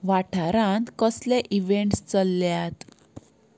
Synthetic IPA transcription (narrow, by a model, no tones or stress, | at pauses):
ʋaʈʰaɾãnt̪kəsleʔiʋeɳʈst͡səlːjat̪